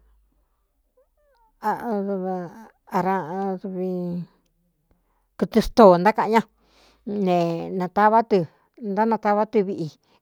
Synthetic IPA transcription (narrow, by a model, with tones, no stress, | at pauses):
a˨˧ðu˧β | a˧ɾã˧ðu˧βi˧ | kɨ˧t̪ɨ˧st̪o˨nd̪a˦kã˧ʔɲã˦ | nẽ˧nã˧t̪a˦βa˦t̪ɨ˧ | nd̪a˦nã˧t̪a˦βa˦t̪ɨ˧βi˧ʔi˧